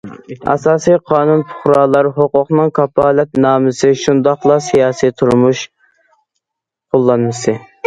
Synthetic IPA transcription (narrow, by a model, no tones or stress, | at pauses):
ɑ̰sɑːsijqʰɑːnunpʰʊ̥χɾɑːlˠɑɾɦoqʊqnɨŋkʰɑpʰɑːlɛt̪nɑːmɨsɨʃund̪ɑχlˠɑsijɑːsijt̪ʰuɾmuʃ | qʰolˠːɑnmɨsɨ